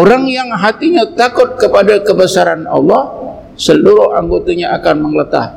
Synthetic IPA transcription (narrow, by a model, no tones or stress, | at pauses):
oɾaŋjaŋɦat̪iɲat̪akʊt̪̚kəpadakəbəsaɾanɑ̰lːɔh | səluɾʊaŋɡot̪aɲaʔakanməŋlət̪a̰h